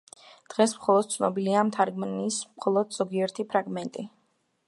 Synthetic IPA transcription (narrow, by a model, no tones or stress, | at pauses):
d̪̥ʁɛsmχɔlˠɔd̪̥̚t̪sʰnɔbiliamt̪ʰaɾɡmnismχɔlˠɔd̪z̥ɔɡiɛɾt̪ʰipʰɾaɡmɛnt̪ʼi